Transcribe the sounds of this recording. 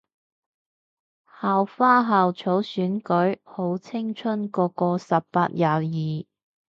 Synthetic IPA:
haː˨wfaː˥ɦaː˨wt͡ʃʰo˨˥wsyː˨˥nkɵ˨˥ɥho˨˥wt͡sʰɪ˥ŋt͡ʃʰɵ˥nkɔː˧kɔː˧sɐ˨pːaː˧t̚jaː˨jiː˨˩

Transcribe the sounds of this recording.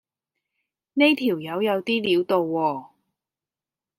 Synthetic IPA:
ne˥jt̪ʰiː˨˩wjɐ˨˧wjɐ˨˧wt̪iː˥liː˨˥wt̪o˨˧wːɔː˧

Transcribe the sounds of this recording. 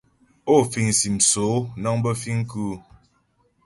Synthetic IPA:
o˦˨fi˨ŋ˨si˨m̩˨so˨˦nɔ˦ŋbə˦fi˦ŋ̩˦ku˦

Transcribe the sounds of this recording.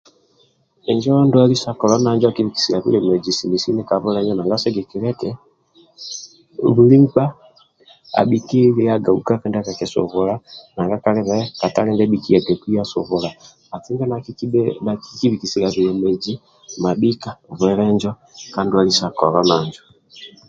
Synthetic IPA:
ɛ˨ɲd͡ʒɔ˦ndu˦a˦li˦sa˦kɔ˨lɔ˦na˨˦ɲd͡ʒɔ˦a˦ki˦βi˨ki̥˨si˨ɾa˨βḭ˦lɛ˨mɛ˨d͡ʒi˨si˨mi˨si˦nɛ˦ka˨βɛ˦ɾɛ˦ɲd͡ʒɔ˦na˨ŋɡa˦sɛ˦ɡɛ˨ki˨ɾɛ˦kɛ˨ | βu˨ɾi˦ŋ͡m̩˦k͡pa˦ | a̰˨ɓi˨ki˦ɾi˨a˦ɡa˨u˨ka˦kɛ˦nda˦ka˨kɛ˨sṵ˨βu˨la˦na˨ŋɡa˦ka˨lɛ˦βɛ˦ka˨ta˦lɛ˦ɡɛ˦ɓi˦ki˦a˨ɡɛ˨ku˦a˦sṵ˨βu˨la˨ | a˨ti˦ŋɡa˦na˨nai˦ki˦βi˨ki˨si˨ɾa˨βi˨ɾɛ˨mɛ˨d͡ʒi˦ | ma˨ɓi˦ka˨βwɛ˨ɾɛ˦ɲd͡ʒɔ˦ | ka˨˦ndu˦a˨li˦sa˨kɔ˨ɾɔ˦na˨ɲd͡ʒɔ˨

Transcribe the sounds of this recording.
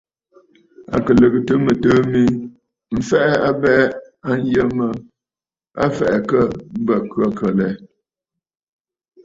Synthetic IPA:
a̰˨kə˨lə˨ɣə˨tə˦mə˨təː˦mi˦ | m̩˨fɛ˦ʔa˦bɛ˦ | a˦n̩˦jə˦mə˦ | a̰˦fɛ̰˨ʔɛ˨kə˦˨bə˨kɰə˦kʰə˨lɛ˨˦

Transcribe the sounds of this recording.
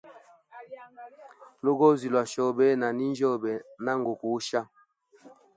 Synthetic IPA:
lo˦ɡo˦zi˨lwa˨ʃɔ˦bɛ˦na˨ni˦n˦d͡ʒɔ˦bɛ˨na˦ŋɡo˨ku˨˦ʃa˦

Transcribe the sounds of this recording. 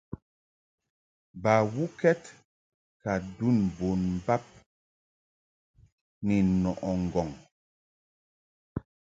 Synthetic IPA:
ba˨wu˦kɛ˦t | ka˨du˦˨nbo˨nm̩˨ba˦p̚ | nɛ˨nɔ˨ʔɔ˨ŋ̩˨ɡɔ˨ŋ

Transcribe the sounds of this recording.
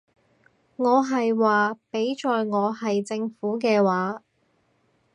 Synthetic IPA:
ŋɔː˨˧ɦɐ˨jwaː˨pe˨˥jt͡ʃɔː˨jŋɔː˨˧hɐ˨jt͡sɪ˧ŋfuː˨˥kɛː˧waː˨˥

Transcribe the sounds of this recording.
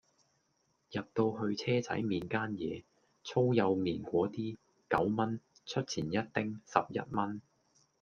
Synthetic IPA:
jɐ˨p̚t̪o˧wɦɵ˧ɥt͡sʰɛː˥t͡sɐ̰˨˥jmiː˨nkaː˥njɛ̰ː˨˧ | t͡sʰo˥wjɐ˨˧wmiː˨˩nkʷɔː˨˥t̪iː˥ | kɐ˨˥wmɐ˥nt͡sʰɵ˥t̚t͡sʰiː˨˩njɐ˥t̚t̪ɪ˥ŋsɐ̰˨p̚jɐ̰˥t̚mɐ˥n

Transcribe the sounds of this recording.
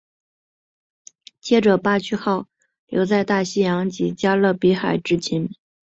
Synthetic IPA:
t͡ɕjɛ˥˩ʈ͡ʂɤ˨˩pa˥t͡ɕʰy˥xɑ˥˩ʊ | ljo˧˥ʊt͡sa˥˧ɪt̪a˥˩ɕi˥jɑ˧˥ŋt͡ɕi˧˨˩t͡ɕja˥lɤ˥˩pi˧˥xa˨˩ɪʈ͡ʂɻ̩˥t͡ɕʰi˧˥n

